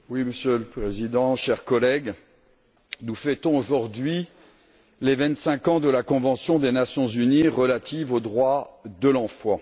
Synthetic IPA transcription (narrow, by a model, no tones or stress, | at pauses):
wiməsjøləpχezid̪ɑ̃ʃɛʁkɔlɛɡ | nufɛt̪ɔ̃oʒuʁd̪ɥi | levɛ̃t̪sɛ̃kɑ̃d̪əlakɔ̃vɑ̃sjɔ̃d̪enasjɔ̃zyniʁəlat̪ʰivod̪ʁwad̪əlɑ̃fwa